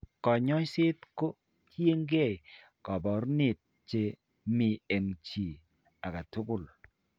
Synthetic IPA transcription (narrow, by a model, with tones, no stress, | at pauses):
kɔ˨ɲɔ˦sɪ˦tko˦ | tje˦ŋɡe˦˨j | kɔ˨bɔ˨˦ɾnɪ˦˨t̚ | t͡ʃe˦ | mi˨e˨ŋt͡ʃi˨ | a˨ka˨tʊ˦kʊ˦˨l